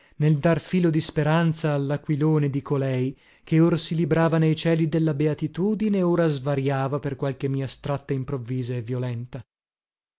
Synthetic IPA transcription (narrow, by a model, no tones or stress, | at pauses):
neld̪arfiːlod̪ispeɾant̪saːlːakwiloːned̪ikolɛj | keoɾsilibɾaːvanejt͡ʃɛːlid̪elːabeat̪it̪uːd̪ineoːɾazvaɾjaːvaperkwalkemːiːast̪ɾat̪ːaimpɾovːiːzaevːjolɛnt̪a